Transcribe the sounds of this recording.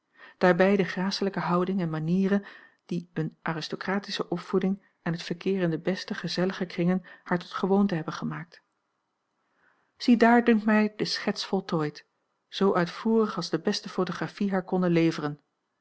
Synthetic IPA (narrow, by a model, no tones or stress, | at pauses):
d̥aːɹbɛjdəχraːsələkəɦɑwdɪŋɛnmaniːrən | d̥iɵnʔaːrɪstokraːtisəʔɔpfudɪŋ | ɛnɦətfəɹkɪːrɪndəbɛstəχəzɛləχəkrɪŋənhaːɹtɔ̥tχəʋowntəɦɛbənχəmaːk̚t | z̥idaːɹdɵŋktmɛjdəsχɛtsfɔlˠtojt | z̥owʔœɥtfuːrəχɑlˠzdəbɛstəfowtoχrafiɦaːɹkɔndənlejvərən